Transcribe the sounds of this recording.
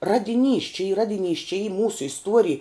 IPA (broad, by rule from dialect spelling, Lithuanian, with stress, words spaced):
ˈrɑːdʲɪˌnʲiːs t͡ʃʲɪ iː ˈrɑːdʲɪˌnʲiːs t͡ʃʲɪ iː ˈmuːsʊ ɪsˈtuɔrʲɪj